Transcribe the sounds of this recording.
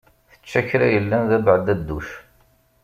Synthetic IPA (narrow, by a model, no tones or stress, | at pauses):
θə̥t͡ʃːæçɾæjəlːænðæbəʕəd̪æd̪ːuʃ